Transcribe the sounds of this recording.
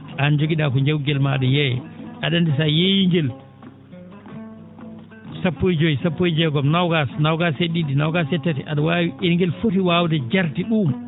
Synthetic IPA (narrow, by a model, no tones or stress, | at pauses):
and͡ʒoɡiɗakɔɲd͡ʒawɡɛlma̰ɗujɛjɛ̰ʔaɗandis̬ajejiŋɡɛl | sapːojid͡ʒojisapːojd͡ʒɛɡɔmnawɡasnawɡaseɗidinawɡasɛtːɛtɛʔaɗawawiiŋɡɛlfotiwawdɛd͡ʒaɾtiɗum